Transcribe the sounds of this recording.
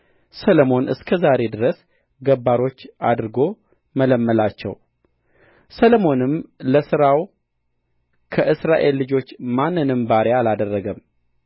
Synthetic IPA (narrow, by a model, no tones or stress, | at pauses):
səlomo̞nʔɨ̰skʰəzaɾe̞d̪ɨɾəs | ɡəbːaɾo̞t͡ʃːʔa̰d̪ɾɨɡo̞ | mələmːəlat͡ʃːɛ̰w | səlmo̞nɨmləsɨɾaw | kʰəʔɨsɾaʔe̞lːɨd͡ʒo̞t͡ʃːmanːɨnɨmbaɾealad̪ərːəɡəm